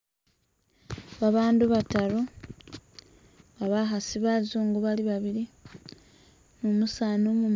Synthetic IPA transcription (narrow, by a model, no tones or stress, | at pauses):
βaβaːnduβataɾo | βaβaɦasiβazoːŋɡoβaliβaβiɾi | mumusaːnomum